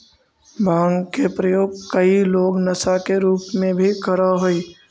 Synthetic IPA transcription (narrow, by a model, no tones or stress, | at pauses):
bãːŋɡkepɾəjoːɡkɐiloːɡnɐsakeɾuːpmẽbʱikəɾaɦoiː